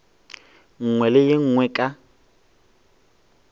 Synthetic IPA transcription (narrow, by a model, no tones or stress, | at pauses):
ŋ̩ŋwɛlɪjɪŋ̩ŋwɛkʼa